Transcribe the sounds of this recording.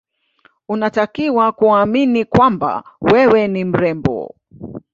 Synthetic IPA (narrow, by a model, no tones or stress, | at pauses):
unatakiwakuaːminikwamba̰wɛwɛnim̩ɾɛmbɔ̰